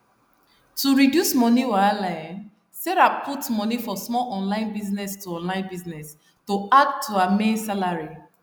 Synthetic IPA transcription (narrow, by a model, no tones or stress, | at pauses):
tuɹidjusmɔniwaalãɪ̃n | sɛɹapʰutmɔnifɔsmɔlʔɔ̃nlãɪ̃nbiznɛstuɔ̃nlãɪ̃nbiznɛs | toad̚tʰuamẽnsalaɹi